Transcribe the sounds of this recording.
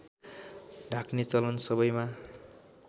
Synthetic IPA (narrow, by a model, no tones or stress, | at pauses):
ɖʱakʰnet͡sʌlʌnsʌbʌjma